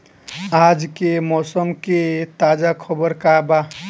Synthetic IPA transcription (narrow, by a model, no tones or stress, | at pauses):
ad͡ʒkemɔsəmket̪ad͡ʒakʰɔbəɾkaba